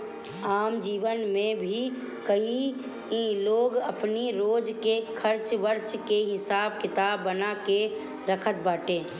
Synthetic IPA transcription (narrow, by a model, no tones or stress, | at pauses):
aːmd͡ʒiːʋənmẽbʱi | kəi | ĩloːɡɐpniɾoːd͡ʒkekʰəɾt͡ʃʋəɾt͡ʃkeɦɪsaːb̚kɪt̪aːbːənake | ɾəkʰət̪̚baːʈẽː